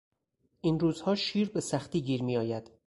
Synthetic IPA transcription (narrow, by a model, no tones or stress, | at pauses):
ʔinɾuːz̥hɒːʃiːɾbesæxt̪iːɡiːɾmiːɒːjæd̪̥